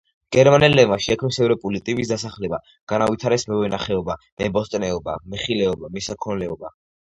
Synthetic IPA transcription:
ɡ̥ɛɾmanɛlːɛmaʃiɛkʰmnisɛvɾɔpʼulit̪ʼibis̬d̪asaχlɛba | ɡ̥anavit̪ʰaɾɛsmɛvɛnaχɛɔbamɛbɔst̪ʼnɛɔba̰mɛχilɛɔbamisakʰɔnlɛɔba

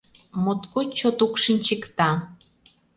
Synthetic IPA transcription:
mot̪kot͡ɕot̪ukʃinʲt͡ɕekt̪ɑ

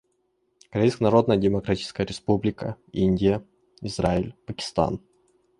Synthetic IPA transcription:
kɐɾʲejskənɐɾo̞d̪nəjədʲɪmɐkɾatʲit͡ʃɪ̥skəjəɾʲɪspublʲɪkə̰inʲdʲɪjə | ɪzraɪlʲpəkʲɪ̥st̪a̰n

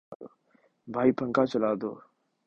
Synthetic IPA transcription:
oː | bʱaːiːpʰəŋkaːt͡ʃəlaːd̪o̰ː

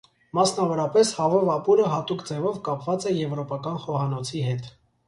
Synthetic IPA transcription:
mɑsnɑvɔɾɑpɛshɑvɔvɑpuɾəɦɑt̪ukd͡zɛvɔvkɑpvɑt͡sɛjɛvɾɔpɑkɑnχɔhɑnɔt͡sʰiɦɛt̪

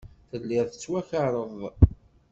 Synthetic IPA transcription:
θəlːɪɾˤθə̥t͡sːwæçəɾˤəðˤ

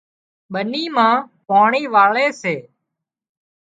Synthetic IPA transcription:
ɓəniːmãː | paːɳiːʋaːɭeːseː

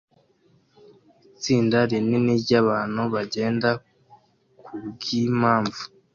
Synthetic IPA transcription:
it͡siːndaɾineniɟaβaːn̥huβaɟe̞ːnda | kʰubɡimaːɱvu̥

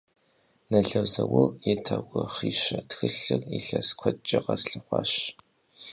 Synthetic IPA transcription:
nɐɮɐwzɐwʊrjɛtʰɐɡʷɔχiːʃɐtxɨɬɨriɬɐskʷʰɔt͡ʃʼːɪqɐsɬɐχʷɑ̰ːʃ

